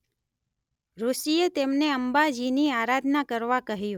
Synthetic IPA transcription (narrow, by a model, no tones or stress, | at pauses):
ɾosiet̪emneəmbad͡ʒiniaɾad̪ʱnakəɾʋakəɦjũ